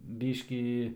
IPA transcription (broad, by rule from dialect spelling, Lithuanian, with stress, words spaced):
ˈbʲiːʃʲkʲiː